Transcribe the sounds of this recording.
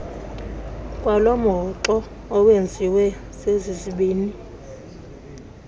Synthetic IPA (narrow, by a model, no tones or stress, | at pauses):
kʼwalɔmɔǁɔː | wend͡zʱiwɛsezisiɓiːni